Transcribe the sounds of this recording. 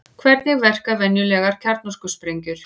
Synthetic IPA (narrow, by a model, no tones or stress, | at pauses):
kʰvɛɾt̪nɪɣvɛr̥kavɛnjʏlɛːɣaɾ̥cʰaɾt̪nɔskʏspɾejɲcʏɾ̥